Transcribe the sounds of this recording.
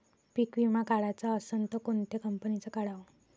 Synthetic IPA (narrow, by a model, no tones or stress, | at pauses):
pikʋimakaɭat͡saəsənt̪əkoɳt̪ekəmpənit͡sakaɽaʋə